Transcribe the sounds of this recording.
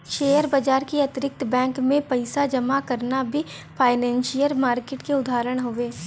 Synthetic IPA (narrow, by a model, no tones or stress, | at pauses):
ʃeːjəɾbad͡ʒaːɾkiɐt̪ɪɾɪk̚t̪bɛ̃ːŋkmẽpɐɪsad͡ʒɐmakɐɾnabʱipʰaːɪnɛ̃ːnʃijəɾmaːɾkeːʈkeʊd̪ʱaːɾəɽ̃ɦoːʋeː